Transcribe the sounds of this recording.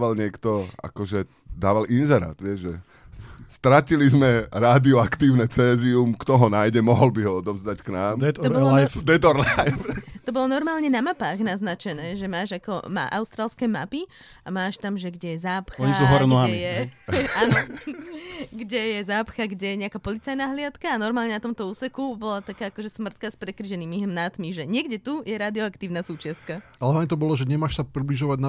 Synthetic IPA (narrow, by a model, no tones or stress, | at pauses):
ʋalɲɪɛkt̪ɔa̰kɔʒɛ | d̪aːʋalinzɛɾa̰ːt̪ʋɪɛʒʒɛ | st̪ɾacilizmɛɾaːd̪iɔakt̪iːʊnɛt͡sɛːziumkt̪ɔɦɔnaːjɟɛmɔɦɔlbiɦɔɔd̪ɔʋzd̪acknaːmɔbɔlfd̪ɛt̪ɔɾlajft̪ɔbɔlɔnɔɾmaːlɲɛnamapaːɣnaznat͡ʃɛnɛːʒɛmaːʒakɔma̰ʔaʊst̪ɾaːlskɛːmapi | amaːʃt̪amʒɛɡɟɛjɛzaːpxaɔɲisɔɦɔɾɛnɔɦaɛijɛaːnɔ | ɡɟɛjɛzaːpxaɡɟɛjɛɲɛakaːpɔlit͡sajnaɦlɪat̪kaːnɔɾmaːlɲɛnat̪ɔmt̪ɔuːsɛkubɔlat̪akaːakɔʒɛsmr̩t̪̚kaspɾɛkɾiʒɛniːmiɦmnat̪miʒɛɲɪɛɡɟɛt̪ujɛɾaːd̪iɔakt̪iːʊnasuːt͡ʃɪast̪̚kaʔalɛɦaɲit̪ɔbɔlɔʒɛɲɛmaːʃsapɾibliʒɔʋaɟna